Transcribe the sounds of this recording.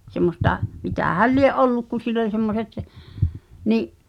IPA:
semːostɑ mitæhæl lieʔ ʔolːuk ku silː olʲ semːoset niʔ

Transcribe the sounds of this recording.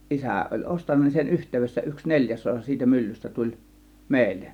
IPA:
ʔisæˑ olʲ ʔostɑnːɑ nin sen yhtˑeˑyʋesːæ yks nelʲjæs osɑ siːtæ mylːystæ tulʲ meˑilːen

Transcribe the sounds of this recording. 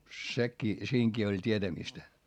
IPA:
sekːiː siːŋkiː olʲ tʲietæmistæ

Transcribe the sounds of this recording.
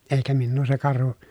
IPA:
eˑikæ minːuː se kɑrhu

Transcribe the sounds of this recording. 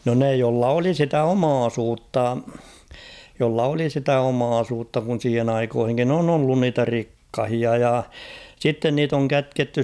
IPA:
no ne jolːɑ oli sitæ omɑːsuːtːɑ jolːɑ oli sitæ omɑːsuːtːɑ kun̞ siːhen ɑikoːhiŋkin on olːun niːtæ rikːɑhiɑ jɑ sitːen niːt oŋ kætketːy

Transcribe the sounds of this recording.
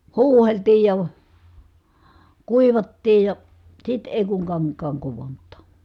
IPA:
huːheltiː jɑ kuiʋɑtːiː jɑ sit eˑi kuŋ kɑŋkˑɑːŋ kuʋontˑɑˑ

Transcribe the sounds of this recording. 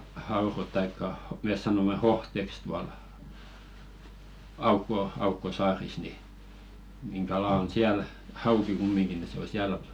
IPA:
hɑhɑurot tɑikːɑ mes sɑnomːe hohteks tuɑl ɑukːo ɑukːo sɑːris ni niŋ kɑlɑ on siæl hɑuki kumːiŋɡ̊i ni se o siæl

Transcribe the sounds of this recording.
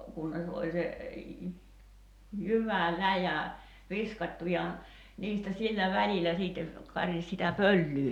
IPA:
kunːes olʲ se jyʋælæjæ ʋiskɑtʲtu jɑ niːstæ silːæ ʋælilæ siːtːe kɑris sitæ pølːyː

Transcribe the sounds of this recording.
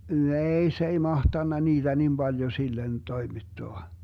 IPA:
neːi se ei mɑhtɑnːɑ niːd̥æ nim b̥ɑljo silːen toimitːoɑ

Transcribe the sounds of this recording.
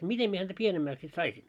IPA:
mitem mie hæntæ pienemːæks sit sɑisin

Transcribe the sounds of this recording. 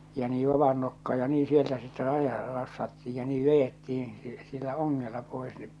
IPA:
jɑ niː ʋɑʋɑn nokːɑː jɑ niː sieltæ sitːe rɑjɑ rɑsːɑtːiːj jɑ niː ʋejetːih̞ĩː si silːæ oŋːelːɑ poˑes nep

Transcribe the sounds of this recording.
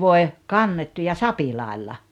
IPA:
ʋoe kɑnːetːu jɑ sɑpilɑˑelːɑ

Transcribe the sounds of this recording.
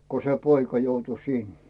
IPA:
ko se poikɑ joutu sin

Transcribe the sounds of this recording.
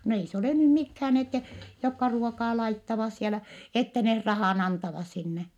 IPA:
no ei se oleˑ nym mikhæːn etːɛ jokːɑ ruokɑː lɑitːɑʋɑs sielæ etːɛ neh rɑhɑˑn ɑntɑʋɑs sinːe

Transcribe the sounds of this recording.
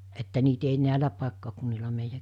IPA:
etːæ niːt ei næˑelæ pɑˑekːɑkunːilɑ meijæ

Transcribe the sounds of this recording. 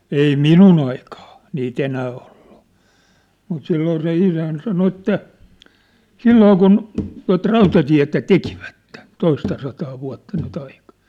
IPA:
ei minun ɑikɑː niːt enæː oll̥u̥ mut silːoː se isæn sɑno etːæ silːoː kun tuɑ̝t rɑutɑtiæ̝tæ tekiʋætːe toistɑsɑtɑː ʋuɑ̝tːɑ nyt ɑikɑ̝

